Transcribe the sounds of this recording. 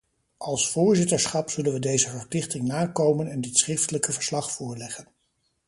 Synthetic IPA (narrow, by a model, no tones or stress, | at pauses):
ʔɑlˠsfʊːɹzɪtəɹsχɑpsɵlənʋədejzəvəɹplɪχtɪŋnaːkowmənɛndɪtsχrɪftələkəvəɹslɑχfʊːɹlɛχən